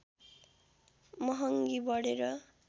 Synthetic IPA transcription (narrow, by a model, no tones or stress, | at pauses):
mʌɦʌŋɡibʌɽeɾʌ